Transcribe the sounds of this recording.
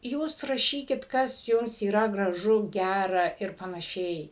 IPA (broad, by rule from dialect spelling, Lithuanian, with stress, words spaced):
ˈjuːs rɐˈʃʲiːkʲɪt ˈkɐs ˈjʊms iːˈrɐ ɡrɐˈʒʊ ˈɡʲærɐ ɪr pɐnɐˈʃʲɛɪ